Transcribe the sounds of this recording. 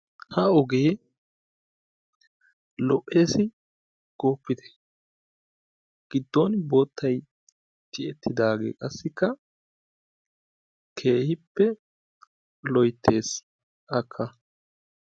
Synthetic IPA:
hɐɔɡeː | lɔʔːe̞ːsɪ | ɡ̥oːpːɪd̪ɛ̥ | ɡ̥ɪd̪ːɔnbo̞ːt̪ʰːɐj | d͡ʒɪɛt̪ːɪd̪aːɡḛːkʼɐsːɪkːɐ | kʰe̞ːhɪpːɛ | lɔjt̪ʰːe̞ːs | ʔɐkʰːɐ

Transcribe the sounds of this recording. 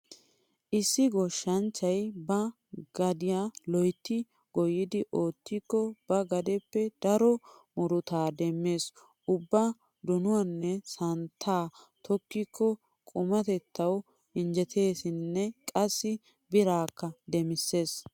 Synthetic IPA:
ʔɪsːɪɡɔʃːɐnt͡ʃːɐjbɐ | ɡ̥ɐd̪ɪjalɔjt̪ːɪ | ɡ̥ɔjɪd̪ɪʔo̞ːt̪ːikːɔb̥ɐɡɐd̪ɛpːɛd̪̥ɐɾɔmɔɾʊt̪aːd̪ɛmːe̞ːs | ʔʊbːa | d̪ɔnʊwɐnːɛsɐnt̪ʰːaː | t̪ʰɔkːikːɔ | kʼʊmɐt̪ɛt̪ːɐw | ɪnd͡ʒɛt̪ʰe̞ːsɪnːɛkʼɐsːɪ | bɪɾaːkːɐd̪ɛmɪsːe̞ːs

